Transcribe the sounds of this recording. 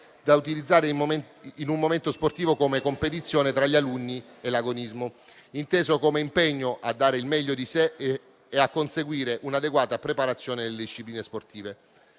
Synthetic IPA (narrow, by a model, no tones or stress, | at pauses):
d̪aut̪ilid̪zːaːɾe | inummoment̪osport̪iːvokomekompet̪̬it̪sːjoːnet̪ɾaʎːalunːi | elaɡonizmo | int̪eːzokomeimpeɲːoʔad̪ːaːɾeilmɛʎːod̪iseː | akːonseɡwiːɾeʔunad̪eɡwaːt̪apɾepaɾat̪sːjoːned̪elːed̪iʃːipliːnesport̪iːve